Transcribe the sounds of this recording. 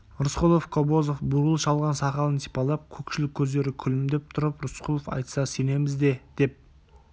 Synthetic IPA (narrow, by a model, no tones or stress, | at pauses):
ɾʊsqulˠo̞fkʰobozofbʊɾəlˠʃɑlˠʁɑnsɑqɑlˠənt̪ʰi̥pɑlˠɑp̚kʲʰɵkʃɪlɪkʲʰːɵzd̪e̞ɾɪkʲʰʏlɪmd̪e̞p̚t̪ʰʊɾəpɾʊsqʰulˠofɑ̰jt̪sɑsene̞mɪzd̪e̞d̪̥e̞p̚